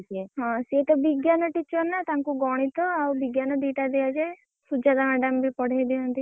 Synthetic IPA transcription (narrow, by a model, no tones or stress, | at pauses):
t̪ieɦɔ̃set̪ɔbiɡjanɔʈit͡ʃɔɾnat̪aŋkuɡɔɽ̃it̪ɔawbiɡjanɔd̪iʈad̪ejad͡ʒaj | sud͡ʒad̪amɛɖambʱipɔɽ̤ajd̪iɔnt̪i